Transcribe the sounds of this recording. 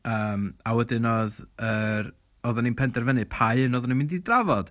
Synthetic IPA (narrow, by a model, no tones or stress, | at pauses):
əːmawɛdɨnoðər | ɔðɔninpʰɛndɛrvɛnɨpʰajɨnɔːðɔnimɪndidravɔd̥